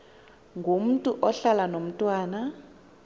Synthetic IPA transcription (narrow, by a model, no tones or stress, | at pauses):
ŋɡʱom̩tʼuʔɔɬalanom̩tʼwaːna